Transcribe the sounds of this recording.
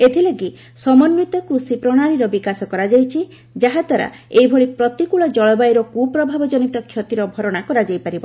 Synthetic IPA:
et̪ʰileɡi | sɔmɔnːit̪ɔkɾusipɾɔɽ̃aɽ̃iɾɔbikasɔkɔɾad͡ʒajt͡ʃʰi | d͡ʒaɦad̪ʱwaɾa̰ | ejbʱoɭipɾɔt̪ikuɭɔd͡ʒɔɭɔbajɾɔkupɾɔbʱabɔd͡ʒɔnit̪ɔkʰjɔt̪iɾɔbʱɔɾɔɽ̃akɔɾad͡ʒajpaɾibɔ

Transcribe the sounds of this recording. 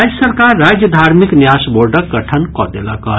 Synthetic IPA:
ad͡ʒjəsəɾkaɾːad͡ʒjəd̪ʱaɾmiknjasboɾɖəkɡəʈʰənkɔ̰d̪elakɔ

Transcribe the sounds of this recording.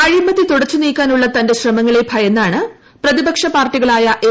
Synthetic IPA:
ɐɻimɐðːit̪uɽɐt͡ɕːuniːkʲːaːnuɭːɐt̪ɐnde̞ɕrɐmɐŋːɐɭebʱɐjɐnːaːɳɨ | prɐðibɐkʂɐpaːrʈːiɣɐɭaːjɐʔe

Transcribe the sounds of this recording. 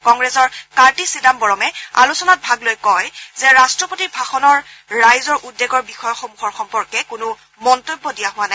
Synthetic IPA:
kɔŋɡɹɛsɔɹkaɹtisidambɔɹɔmɛa̰lusɔnat̚bʱaɡlojkɔjzɛɹastɹɔpotibʱaxɔnɔɹː | ajzɔɹʔudːeɡɔɹbixɔjɔxɔmuxɔɹxɔmpɔɹkɛkʊnʊ | mɔntobːɔdijaɦʊwanaj

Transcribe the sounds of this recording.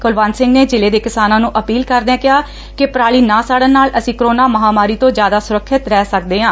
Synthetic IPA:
kʊlʋaːnsɪ̃ŋɡneːd͡ʒɪleːd̪eːkɪsaːnãːnũːʔəpiːlkəɾnɛːkɪɦaː | kɪpɾaːɭiːnãːsaːɽənnːaːləsĩːkɾoːnaːməɦaːmaːɾiːt̪õːd͡ʒjaːd̪aːsʊɾəkʰːɪt̪ɾɛːsək̚d̪eːɦãː

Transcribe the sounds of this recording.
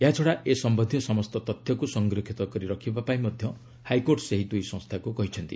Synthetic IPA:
eɦat͡ʃʰɔɽaʔesɔmbɔnd̪ʱjɔsɔmɔst̪ɔt̪ɔt̪ʰjɔkusɔŋɡɾikʰit̪ɔkɔɾiɾɔkʰibapaĩmɔd̪ʱjɔ | hajkoɾʈseɦid̪ujsɔ̃st̪ʰakukɔɦit͡ʃʰɔnt̪ḭ

